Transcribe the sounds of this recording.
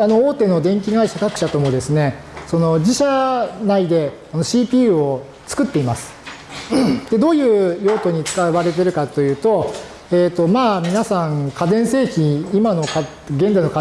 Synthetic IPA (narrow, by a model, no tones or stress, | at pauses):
ano̞oːt̪e̞no̞d̪ẽ̞ŋk̬ʲiɡaiɕakakɯ̟ɕat̪o̞mo̞d̪e̞sɨne̞so̞no̞d͡ʑiɕanaid̪e̞ | ano̞ɕiːpʲiːɯo | t͡sɨ̥kɯt̪ːe̞imasɨ̥ | d̪̥e̞d̪o̞ːjɯ̟ːjo̞ːt̪o̞ɲ̟it͡sɨ̥kaβaɾe̞t̪e̞ɾɯ̟kat̪ːo̞jɯ̟ːt̪o̞ | eːt̪ːo̞maːmʲinasãŋkad̪ẽɰ̃se̞ːçʲiimano̞ka | ɡe̞nd͡zainok